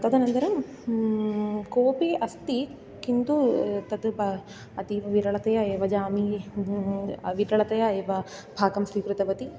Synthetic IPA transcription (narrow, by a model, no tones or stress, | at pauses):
t̪ɐd̪ɐnɐnt̪ɐɾɐm | koːpeːʔɐst̪i | kind̪ut̪ɐt̪pɐ | ɐt̪iʋɐʋiɾɐɭɐt̪ɐjɐeːʋɐd͡ʒaːmi | ʋiɾɐɭɐt̪ɐjɐeːʋɐbʱaːɡɐmsʋikɾut̪ɐʋɐt̪i